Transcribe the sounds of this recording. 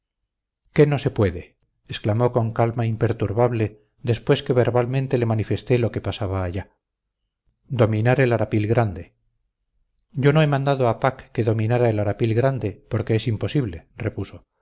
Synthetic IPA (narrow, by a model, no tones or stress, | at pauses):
ke̞no̞se̞pwe̞ðe̞ː | sklamo̞ko̞ŋkalmaimpe̞ɾt̪uɾβaβle̞ | d̪e̞spwe̞ske̞βe̞ɾβalmẽnt̪e̞le̞manife̞st̪e̞lo̞ke̞pasaβaːʝa | d̪o̞mĩnaɾe̞laɾapilɣɾand̪e̞ | ɟ͡ʝo̞noe̞mãnd̪aðoapakːe̞ðo̞mĩnaɾaelaɾapilɣɾand̪e̞po̞ɾkeesimpo̞siβle̞re̞puso̞